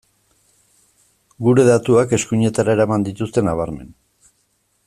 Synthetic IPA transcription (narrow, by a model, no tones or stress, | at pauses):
ɡuɾe̞ðat̪uake̞skuɲe̞t̪aɾaeɾamand̪it̪ust̪e̞naβ̞aɾme̞̰n